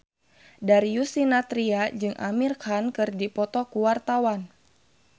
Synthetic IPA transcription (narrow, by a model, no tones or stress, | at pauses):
daɾijusinat̪ɾiad͡ʒɨŋʔa̰mirkankɨrdipɔt̪ɔkuwart̪awan